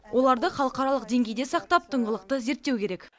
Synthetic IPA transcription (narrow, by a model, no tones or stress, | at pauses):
wʔo̞lˠɑɾd̪əχɑlˠəqɑɾɑlˠəqd̪e̞ŋɡʲe̞jd̪e̞sɑqt̪ɑp̚t̪ʰəɴʁəlˠəq̚t̪əze̞ɾt̪ːewkʲʰe̞ɾe̞k